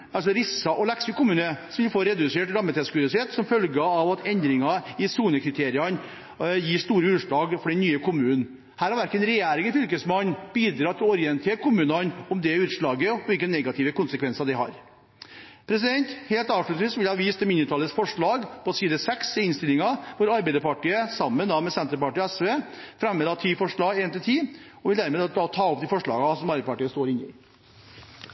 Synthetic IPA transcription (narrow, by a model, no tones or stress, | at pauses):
ɑls̬ɔɾɪsːɑʔɔlæksɪkʊmʉːnəsʋɪlfoːɾɛd̪ʉseːʈɾɑmːət̪ɛskʉɪsɪeːt̪sɔmfœlɡəɑʋɑt̪ʰɛnd̪ɾɪŋɑɪsuːnəkʰɾɪt̪ʰeːɾɪɑn | jiːʂt̪uːɾəʉːʂɭɑːɡfɔɖɛnnyːəkʰʊmʉːnn | hæːɾhɑɾʋæɾkənɾɛjæːɾɪŋəfʏlkəsmɑnb̥iːd̪ɾɑːt̪ʰɪlɔɔɾɪɛnt̪ʰeːɾkʰʊmʉːnɑnɔmd̪ɛʉːt̪ʂɭɑːɡəʋɪlkːənɛɡɑt̪ʰɪːʋəkʊnsəkʰʋɛnsɑd̪ɛɪhɑ̰ɾ | pʰɾɛs̬ɪd̪ɛnt̪heːlt̪ɑːʋʂɭʉt̪sʋiːsʋɪlhɑʋiːst̪ɛmɪnːʉt̪ʰɑːləsfɔʂɭɑːɡpɔsiːd̪əsɛksɛɪnst̪ɪlɪŋɑʋʊɾɑɾbɛɪd̪əɾpɑʈiːəsɑmːənd̪ɑmɛsɛnt̪əɾpɑʈiːɔɛsʋeːfɾɛmːəd̪ɑt̪ʰiːfɔʂɭɑːɡeːnt̪ɪlt̪ʰiːɔʋɪld̪æɾmeːd̪d̪ɑt̪ʰɑːɔp̚d̪ɛfɔʂɭɑ̰ːɡɑsɔmɑɾbəpɑʈiːəst̪oːɾɪnːɪ̰